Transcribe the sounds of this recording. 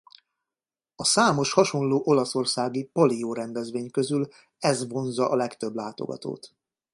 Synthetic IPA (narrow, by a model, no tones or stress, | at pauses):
ɒsaːmo̞ʃhɒʃo̞nloːʔo̞lɒso̞rsaːɡipolioːɾɛnd̪ɛzʋeːɲkøzyl | ɛzvo̞nzɒʔɒlɛkt̪ø̞blaːt̪o̞̰ɡɒ̰t̪o̰ːt̪